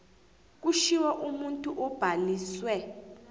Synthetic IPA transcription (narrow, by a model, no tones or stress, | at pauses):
k̬uʃiwɛʔumuntʼuʔɔb̥ʱaliːswɛ